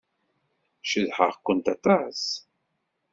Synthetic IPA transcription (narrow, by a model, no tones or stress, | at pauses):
ʃəðħə̰ʁkʷːənt̪at̪ˤɑs